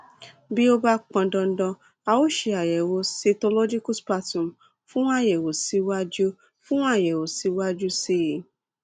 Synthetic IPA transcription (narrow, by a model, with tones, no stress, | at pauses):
bi˦o˦ba˦k͡pɔ̃˧dɔ̃˧n̩˦dɔ̃˧ | a˧wo˦ʃe˧a˨jɛ˨wo˧se˧to˧lo˦d͡ʒi˦ku˦spa˧tũ˨m˨ | fũ˦a˦˨jɛ˨wo˨si˨˧wa˦d͡ʒu˦ | fũ˦a˦˨jɛ˨wo˨si˨˧˦wa˦d͡ʒu˦si˦˨